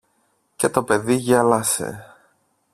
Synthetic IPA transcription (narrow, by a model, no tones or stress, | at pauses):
ce̞t̪o̞pe̞ðiʝɐlɐse̞̰